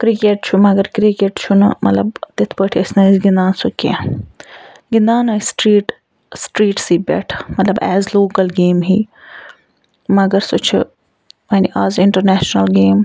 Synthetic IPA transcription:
kɾikeʈ̚t͡ʃʰumɐɡɐɾkɾikeʈt͡ʃʰʊnmɐ̰t̪lɐbt̪ɪt̪ʰpəʈʰiɐsnɐzɡind̪aːnsokḛ̃ | ɡɪnd̪aːnɐsʈɾiːʈ | sʈɾiːʈsiːbɛ̰ʈʰmɐt̪lɐbɛ̰ːzloːkɐlɡeːmɦiː | mɐɡɐɾsot͡ʃʰɨ̰ | mɐːniʔaːzɪɳʈɐɾnɛːʃnɐlɡeːm

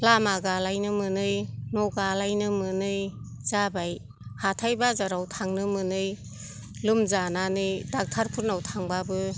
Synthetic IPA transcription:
lamaɡalajnɯmɯnɯjnɔɡalajnɯmɯnɯj | zabaj | hatʰajbazaɾawtʰaŋnɯmɯnɯj | lɯmzananɯjdak̚tʰaɾpʰuɾnawtʰaŋbabɯ

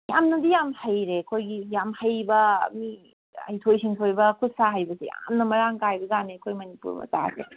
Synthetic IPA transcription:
jamnɐdijamhajɾekʰojɡijamhajbɐmi | a̰jtʰojsiŋtʰojbɐkʰut̚saɦajbɐseja̰mnɐmɐɾaŋkajbɐɡanekʰojmɐnipṵɾmɐ̰ta̰sḛ

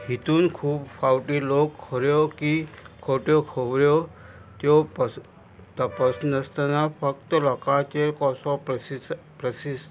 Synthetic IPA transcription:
ɦit̪uːnkʰuːbfawʈilokʰːɔɾjokikʰoʈjokʰoʋɾjo | t̪jopə | t̪əpəsnəst̪ənafək̚t̪əlɔkat͡ɕeɾkɔsɔpi | pɾəsis

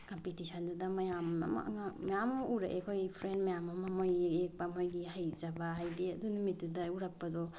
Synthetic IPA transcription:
kɔmpitisʰɔndudɐmɐjama̰ma̰ŋamɐjamɔuɾa̰ʔekʰojpʰɾenmɐjamamamojek̚pamojɡihajzabaɦajdeɐdunumit̚dudɐuɾak̚pɐdɔ

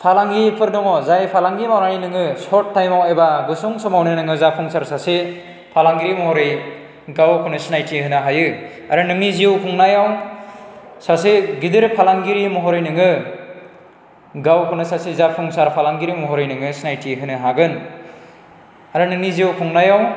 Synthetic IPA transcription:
pʰalaŋɡipʰɯɾdɔŋɔzajpʰalaŋɡimawɾaninɯŋɯsɔtːajmawebaɡɯsuŋsɔmawnɯnɯŋɯzapʰuŋsaɾsase | pʰalaŋɡiɾimɔɦɔɾɯj | ɡawkʰɯnɯsinajtʰiɦɯnɯɦajɯ | aɾɯnɯŋniziwkʰuŋnajaw | saseɡidɯɾpʰalaŋɡiɾimɔɦɔɾɯjnɯŋɯ | ɡawkʰɯnɯsasizapʰuŋsaɾpʰalaŋɡiɾimɔɦɔɾɯjnɯŋɯsinajtʰiɦɯnɯɦaɡɯn | aɾɯnɯŋniziwkʰuŋnajaw

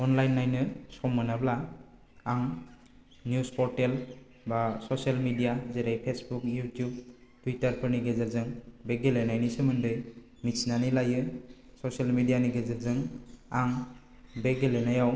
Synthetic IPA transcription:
ɔnlajnːajnɯsɔmːɯnablaː | ŋ | njuspɔɾtel | basɔsalmidijazeɾajpʰesbukjutjub̚tuitaɾpʰɯɾniɡezɯlzɯŋbeɡelenajnisɯmɯndɯj | mit͡ʃnanilajɯsɔsalmidijaniɡezɯlzɯŋaŋ | beɡelenajaw

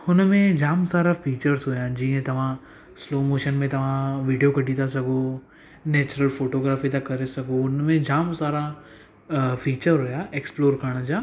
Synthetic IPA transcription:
ʊnmẽd͡ʒaːmsaːɾafʰiːt͡ʃəɾsɦoːjãːd͡ʒiːɦẽt̪ɐʋ̤ã | sloːmoːʃənmẽt̪ɐʋ̤ãːʋiːɖijokɐʈiːt̪asɐkoː | nɛːt͡ʃʊɾəlfoːʈoːɡɾaːfit̪ɐkːɐɾesɐkoːʊnmẽd͡ʒaːmsaːɾa | fʰiːt͡ʃəɾɦoːjaːeksploːɾkɐɾɽ̃ad͡ʒaː

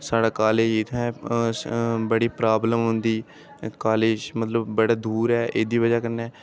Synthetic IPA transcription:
saːɽaːkaːleːd͡ʒɪt̪ʰɛ̃ːsbəɽiːpɾaːbləmɦʊnd̪iː | kaːleːd͡ʒmət̪ləbːəɽaːd̪uːɾɛːʔeːd̪iːʋəd͡ʒaːkəɾnɛː

